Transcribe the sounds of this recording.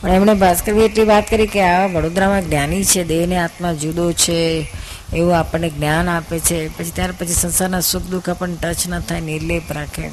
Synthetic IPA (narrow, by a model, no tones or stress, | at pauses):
pəɳɛmɳebʱaskəɾʋieʈliʋat̪kəɾikeaʋaʋəɽod̪ɾamãɡnjanit͡ʃʰed̪eʋneat̪mãd͡ʒud̪ot͡ʃʰeː | ʋũapəɳneɡnjanapet͡ʃʰepət͡ʃʰit̪jaɾpət͡ʃʰisənsaɾnasukʰd̪ukʰapəɳʈət͡ʃnət̪ʰajniɾlepɾakʰḛ